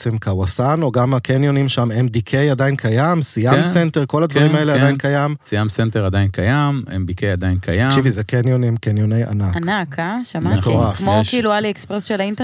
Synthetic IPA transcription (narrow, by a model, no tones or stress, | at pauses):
t͡semkawasano̞ɡamakʰenjonimʃamemdikʰejad̪ainkʰajamsijamsent̪eʁko̞lad̪vaʁimaelead̪ajinkajamsijamsent̪eʁad̪ajinkʰajamḛmbikejad̪ajinkʰajakʃivizekenjonimkenjoneja̰nakanakʰaʃamamet̪oʁafokilualiekspʁesʃelaint̪e